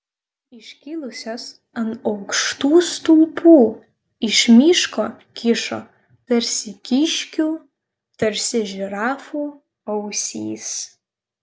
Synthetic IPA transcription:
iʃkʲilˠʊsʲoːs | ɐnɐwkʂt̪uːst̪uːpʰuː | ɪʃmʲiʃko | kʲʰɪʂo̰ | tɐrʲsʲɪkʲiʃʲkʲu | tɐrʲsʲɪʒraːfu | ɐwsʲḭːs

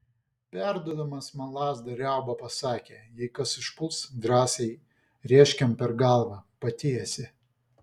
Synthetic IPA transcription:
pʲæˑɾd̪uɔd̪ɐmɐsmɐlˠɑːzd̪ɐɾʲɛˑʊbɐpɐsɑːkʲeːjɛɪkɐsɪʃpʊlˠsd̪ɾɑːsʲɛɪ | ɾʲiɛʃʲkʲɛmpʲɛɾɡɑˑlˠʋɑpɐt̪ʲeːjɛsʲɪ

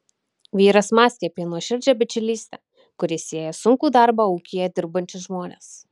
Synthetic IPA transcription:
ʋʲiːɾɐsmɑːsʲk̪ʲɛpʲiɛnuɔʃʲɪɾʲd͡ʒʲɛbʲɪt͡ʃʲʊlʲiːsʲt̪ʲɛ | kʊɾʲɪsʲiɛjɛsʊŋkuːd̪ɑˑɾbɑuːkʲɪjɛd̪ʲɪɾbɐnʲt͡ʃʲʊsʒmoːnʲḛːs

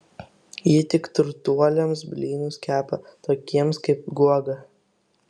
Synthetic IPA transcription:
jɪt̪ʲɪkt̪ʊɾt̪uɔlʲomsbʲlʲiːnʲuskʲæːpɐt̪oːkʲiɛmskɐɪp̚ɡuɔɡɐ

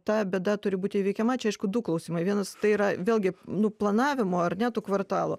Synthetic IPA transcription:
t̪ɑːbʲeɛd̪ɐt̪ʊɾʲɪbuːt̪ʲɪiʋʲɛɪkʲɛmɐt͡ʃʲɛɐɪʃkʊd̪ʊklˠɐʊsʲiːmɐɪʋʲiɛnɐst̪ɐɪiːɾɐʋʲeːlʲɡʲɪnʊplˠɐnɑːʋʲɪmoːɐrnʲɛt̪uːkʋɐrt̪ɑːlˠʊ

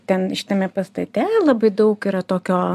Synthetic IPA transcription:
t̪ʲɛnʃʲɪt̪ɐmʲɛpɐst̪ɐt̪ʲɛlˠɐbɐɪd̪ɐʊkɪɾɐt̪oːkʲoː

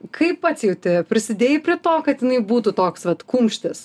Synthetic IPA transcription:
kʰɐɪppɐt̪sʲjɛʊt̪ʲɪpʲɾʲɪsʲɪd̪ʲeːjɪpʲɾʲɪt̪oːkɐt̪jɪnɐɪbuːt̪ut̪oːksʋɐt̪kuːmʲʃʲt̪ʲɪs

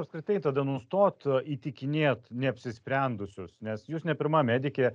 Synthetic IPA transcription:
ɐpskɾʲɪt̪ɐɪt̪ɐd̪ɐnʊst̪oːt̪it̪ʲɪkʲɪnʲeːt̪nʲɛɐpʲsʲɪsʲpʲɾʲɛnd̪ʊsʲʊsnʲɛsjuːsnʲɛpʲɪɾmɐmʲæːd̪ʲɪkʲeː

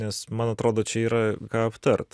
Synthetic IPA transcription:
nʲɛsmɐnɐt̪ɾoːd̪oːt͡ʃʲɛiːɾɐkɑːɐpt̪ɐrt̪

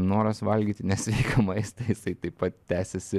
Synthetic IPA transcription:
noːɾɐsʋɐlʲɡʲiːt̪ʲɪnʲɛsʲʋʲɛɪkʰɐmɐɪst̪ɐɪjɪsɐɪt̪ɐɪppɐt̪tʲæːsʲɛsʲɪ

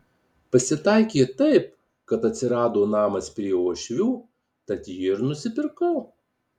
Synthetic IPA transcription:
pɐsʲɪt̪ɐˑɪkʲeːt̪ɐɪp̚ | kɐt̪ɐt̪ʲsʲɪɾɑːd̪oːnɑːmɐspʲɾʲiɛuːʃʲʋʲuː | t̪ɐt̪ʲjɪɪɾnʊsʲɪpʲɪɾkɐʊ

